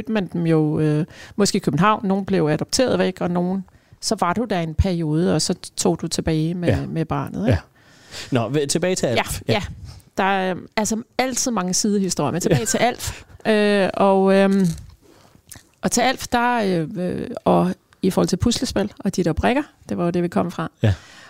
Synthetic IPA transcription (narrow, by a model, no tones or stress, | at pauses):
ød̥mænd̥emjo̝ømɒ̽sɡ̥e̝̰ːikʰøb̥n̩ɦɑ̈ʊ̰nːo̝ːn̩b̥le̝ʊæd̥ɒ̽b̥t͡sʰe̝̰ːɐð̞ˠʋeɡ̥ɒ̽no̝ːn̩ | sɒ̽ʋɑ̈ɾ̥ud̥æe̝npʰæɐio̝ːð̞ˠəɒ̽sɒ̽t͡sʰo̝̰ːd̥ut͡sʰe̝b̥ɛːɪmemeb̥ɑ̰̈ːnð̩ˠe̥ | nɒt͡sʰe̝b̥ɛːɪt͡sʰeæjæjæd̥ɑ̈ælsɐæl̰t͡sʰið̞̰ˠmɑ̈ŋəsiːð̞ˠəhisd̥o̝ɐ̰jɐment͡sʰe̥ɛːɪt͡sʰe̝æl̰fʔøɒ̽ø | ʔɒ̽t͡sʰe̝æl̰fd̥ɑ̈ø | ɒ̽ | ifɔhɒl̰t͡selpʰusləsb̥elɒ̽d̥id̥æb̥ʁɛɡ̥ɐd̥e̝ʋɑ̈jod̥e̝ʋikʰɒ̽m̰əfʁɑ̈